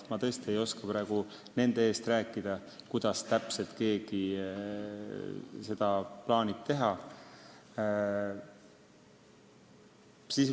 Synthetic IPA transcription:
mɑt̪ɤ̞est̪ie̞jo̞skɑpɾæːɡ̥u | ne̞nd̪̥e̞eːst̪ræːkːˑid̪̥ɑkujd̪̥ɑst̪æpse̞lt̪ke̞ːɡ̥i | se̞d̪̥ɑplɑːnit̪ːe̞ɦɑ | sis

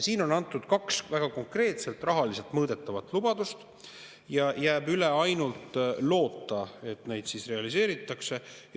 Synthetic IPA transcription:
siːno̞nɑnt̪ːˑud̪̥kɑksvæɡ̥ɑko̞ŋkre̞ːt̪se̞lt̪ˑrɑɦɑlise̞lt̪mɤːd̪̥e̞t̪ːˑɑvɑt̪ːˑlub̥ɑd̪̥ust̪ | jɑjæːb̥yle̞ɑjnult̪lo̞ːt̪ːˑɑe̞t̪ne̞jd̪sisre̞ɑlise̞ːɾit̪ːˑɑkse̞

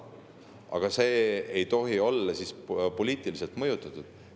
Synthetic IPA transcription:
ʔɑ̰ɡ̥ɑse̞ːejt̪o̞ɦio̞lːɑsispo̞liːt̪ˑilise̞lt̪mɤjut̪ˑːɑt̪ːˑud̪̥

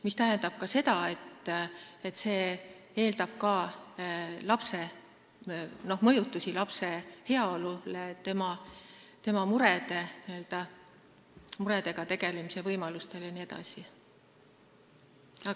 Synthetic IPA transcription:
mist̪æɦend̪ɑb̥̚kɑse̞t̪ɑe̞t̪ː | et̪ːse̞ː | e̞ːld̪ɑb̥kɑ | lɑpse̞ | no̞hmɤ̞jut̪ːˑusilɑpse̞he̞ɑolulet̪e̞mɑt̪e̞mɑmuɾed̪e̞niø̞ld̪̥ɑ | muɾe̞t̪e̞ɡ̥ɑt̪e̞ɡ̥e̞lemise̞vɤjmɑlust̪e̞ljɑnie̞d̪ɑ̰si | ɑ

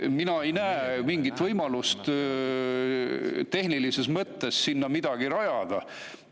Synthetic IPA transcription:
minɑe̞jnæemiŋɡit̪ˑvɤjmɑlust̪ | t̪e̞hnilisesmɤt̪ːesːinːɑmid̪̥ɑɡiɾɑjɑd̪̥ɑ

